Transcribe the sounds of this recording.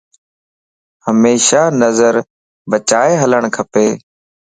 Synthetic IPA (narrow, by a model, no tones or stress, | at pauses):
həmeːʃaːnəzəɾ | bət͡ʃaːeɦələɳ̃kʰəpeː